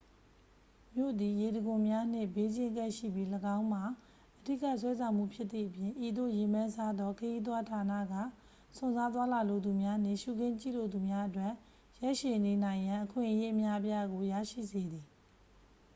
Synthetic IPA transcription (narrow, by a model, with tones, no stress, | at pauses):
mjo̰˦˨d̪i˨je˨ɾə˨ɡʊ̃˨mja˦n̥ɪ̰̃˦˨be˦d͡ʑɪ̃˦ŋkɛ˦ʔʃḭ˦˨bji˦ləɡã˦ʊ̃m̥a˨ | ʔədi˦˨ka˦˨swɛ˦sʰã˨ʊ̃m̥ṵ˦˨pʰjɪ˦t̪ːθḭ˦˨ʔəpjɪ̃˨ʔi˨d̪o̰˦˨je˨mã˦nsa˦d̪ɔ˦kʰə˨ji˦t̪̬wa˦tʰa˨na̰˦˨ɡä̰˦˨ | sʊ̃˨nza˦t̪̬wa˦la˨lo˨d̪u˨mja˦n̥ɪ̰̃˦˨ʃu˦˨ɡɪ̃˦˨t͡ɕḭ˦˨lo˨d̪u˨mja˦ʔətwɛ˦˨ʔ | jɛ˦ʔʃe˨ne˨nã˨ɪ̃jã˨ʔəkʰwɪ̰̃˦˨ʔəje˦ʔəmja˦ʔəp̬ja˦ɡo˨ja̰˦˨ʃḭ˦˨ze˨d̪i˨